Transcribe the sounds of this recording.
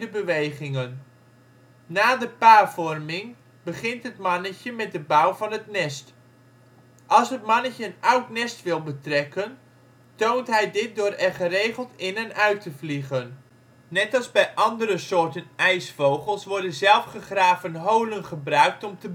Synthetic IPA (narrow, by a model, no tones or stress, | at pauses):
dəbəʋejχɪŋən | aːdəpaːvɔrmɪŋ | bəχɪntɦətmɑnəcəmɛt̚dəbawvɑnɦətnɛst | ʔɑlˠsɦət̚mɑnəcəənawtnɛstʋɪlˠbətrɛkən | towntɦɛjdɪt̚dʊːɾɛrχərejχəlˠtɪnɛnœɥtʰəvliχənː | ɛtɑlˠzbɛjʔɑndəɾəsʊːɹtənɛjsfowχəlˠsʋɔɹdənzɛlˠfχəχraːvənɦowlənχəbrœɥk̚tɔmtəb